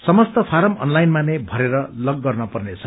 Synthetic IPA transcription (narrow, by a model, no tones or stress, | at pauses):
sʌmʌst̪ʌpʰaɾʌmʌ̰nlajnmanebʱʌɾeɾʌlʌɡːʌrnʌpʌrnet͡sʰʌ